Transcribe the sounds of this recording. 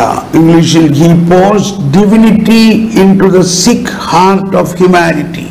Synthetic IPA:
ɪ̃ŋɡliʃɪɦiːpoːsɖɪʋɪnɪʈiɪ̃ɳʈud̪əsɪk | haːɾʈɔʋhjumænɪʈḭ

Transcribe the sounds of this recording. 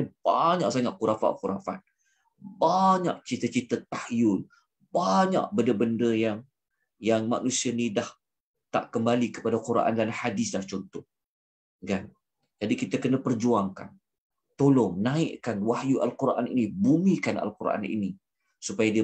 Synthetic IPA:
b̥aɲaʔsaŋaʔkuɾafa̰ʔkuɾafa̰t̪̚ | baɲa̰ʔt͡ʃit̪ət͡ʃit̪ət̪ahjʊl | baɲa̰ʔbəndəbəndəjaŋ | jaŋma̰nusianidah | t̪a̰ʔkəmbalikə̥padakuɾʔa̰ndanhadɪsdaht͡ʃɔnt̪ɔh | kan | d͡ʒadikit̪akənapərd͡ʒuaŋka̰n | t̪olɔŋnãɪʔkanwahjuʔa̰lkuɾʔa̰nḭnibumikana̰lkuɾa̰nʔḭni | supajadiə

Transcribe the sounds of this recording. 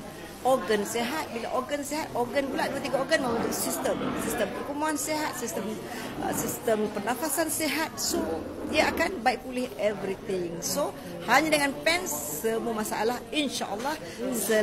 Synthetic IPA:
ʔɔɡənseɦat̪̚bila̰ʔorɡənseɦat̪̚ɔrɡənbulaʔ̚duat̪iɡaoɡənmãnt̪uk̚sist̪əmsist̪əmpərkumuanseɦat̪̚sist̪əm | ə̰sist̪əmpərnafasanseɦat̪̚so | iəakanbaik̚pulɪhɛvɾit̪ɪŋso | haɲadəŋanpɛnsːəmuamasaʔa̰lahinʃa̰ʔəlːɑh | sə

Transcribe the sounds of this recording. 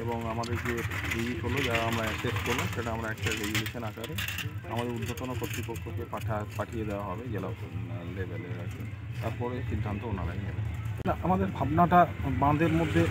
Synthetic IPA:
eboŋamad̪eɾd͡ʑebed͡ʒisɦolod͡ʑaɾaamɾaʃeʃkoɾlamʃeʈaamɾaɛk̚ʈaɖejuleʃʰenakaɾeamad̪eɾud̪ːot̪onokot̪ːɾipokʰːokepaʈʰapaʈʰijed̪ewaɦɔbed͡ʑɛlalebɛleɾakḛt̪aɾpɔɾeʃid̪ʱːant̪oona̰la̰iɦɛbenaʔamad̪eɾbʱabnaʈabãnd̪ʱeɾmod̪ʱːe

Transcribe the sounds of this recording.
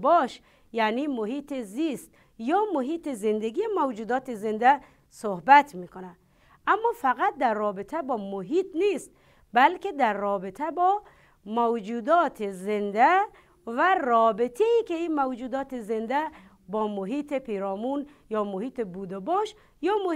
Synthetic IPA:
bɔʃ | janimoɦiːt̪ezist̪ | jɒːmoɦiːt̪ezend̪eɡiemawd͡ʒuːd̪ɒːt̪ezend̪æ | sohbæt̪ʰmiːkonæd̪ | amːɔfæɣat̪̚d̪æɾːɔːbet̪ʰæbɒːmoɦit̪nist̪ | bælked̪æɾːɔːbet̪ʰæbɔː | mowd͡ʒuːd̪ɔːt̪ʰezend̪æ | værɔːbet̪ʰeiːkeimawd͡ʒuːd̪ɒːt̪ezend̪æ | bɔːmoɦiːt̪ʰepʰeɾɔːmun | jɒːmohiːt̪ebud̪ebɔʃ | jɔːm

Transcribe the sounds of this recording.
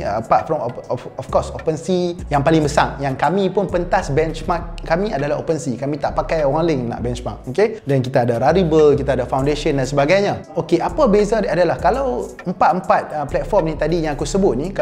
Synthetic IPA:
apat̪̚fɾɔmɔfkɔsopənsijaŋpalɪŋbəsaŋjaŋkamĩpʊnpənt̪asbɛnt͡ʃmak̚kːamĩadalaɦo̰pənsikamĩt̪aʔpakajowaŋliŋnã̰ʔbɛnt͡ʃmak̚okedɛnkit̪aːdaɾaɾibəlkit̪aːdafawndeʃəndansəbaɡajɲã | okeʔapəbezadiadalahkalawəmpat̪̚əmpat̪̚əplɛt̪̚fɔrmnĩt̪adijãŋakusəbʊt̪̚nik

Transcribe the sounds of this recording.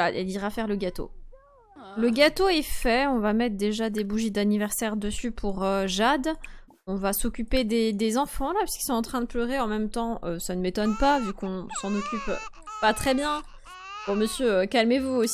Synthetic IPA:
aɛ̰liʁafɛʁləɡat̪o̰ | ləɡat̪oɛfɛɔ̃vamɛt̪χd̪eʒad̪ebuʒid̪anivɛʁsɛʁd̪əsypʰuʁøʒad̪ | ɔ̃vasɔkʲyped̪ed̪ezɑ̃fɑ̃lapɥi̥ski̥lsɔ̃ɑ̃t̪χɛ̃d̪əplœʁeɑ̃mɛmt̪ɑ̃ʔøsanəmet̪ɔnpavykɔ̃sɑ̃nɔkʲyp | pat̪χɛbjɛ̃ | bɔməsjøøkalmevuos

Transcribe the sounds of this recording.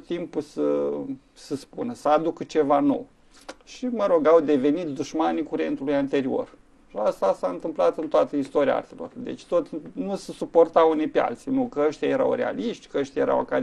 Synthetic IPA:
t̪ːimpusə | səspunəsəad̪ukt͡ʃe̞vano̞̰w | ʃiməɾo̞ɡawd̪e̞ve̞nit̪̚d̪uʃmanikuɾe̞̰nt̪ulujant̪e̞ɾio̞̰r | ʃiast̪asaɨnt̪ɨmplat̪ɨnt̪oat̪əist̪oɾia̰a̰rt̪elo̞̰rd̪e̞̰t͡ʃʲt̪o̞t̪nusesupo̞rt̪awunijpea̰lt̪sinukəəʃt̪ijaje̞ɾa̰wre̞̰a̰liʃt̪ʲkəəʃt̪jajeɾa̰wa̰ka

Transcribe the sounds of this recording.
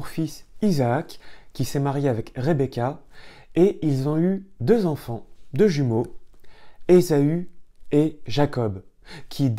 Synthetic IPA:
ʁfisizaːkʲːisɛmaʁjeavɛkʁebekʲa | eilzɔ̃yd̪øzɑ̃fɑ̃d̪əʒymo | ezayeʒakɔbkʲʰid̪

